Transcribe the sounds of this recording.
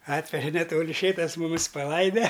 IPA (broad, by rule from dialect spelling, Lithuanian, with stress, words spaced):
ˈɑːtʲʋʲɛʒʲɛ nʲɛˈtoːlʲɪ ˈʃʲeːtɐs mʊˈmʲɪs pɐˈlˠɐɪdʲɛ